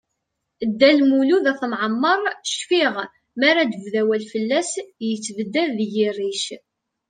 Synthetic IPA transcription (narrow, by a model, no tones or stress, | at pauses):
əd̪ːælmuluðæθmʕəmːəɾˤʃfiʁ | maɾad̪əvðæwælfəlːæsjət͡sːvəd̪ːæðːʝirːiʃ